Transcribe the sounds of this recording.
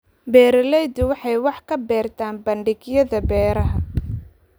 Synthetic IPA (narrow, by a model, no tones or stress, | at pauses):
bɛːɾɐlɛjd̪ʊwɑħɑjwɑħkʰɐbɛːrt̪ʰaːnbɐɳɖɪɡjɐðɐbɛːɾɐɦɐ